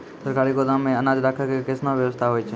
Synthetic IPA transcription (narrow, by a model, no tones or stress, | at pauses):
səɾkaːɾikod̪ãmẽənaːd͡ʒɾakʰəkekɪsnãʋjəʋəst̪ʰaɦoːit͡ʃʰe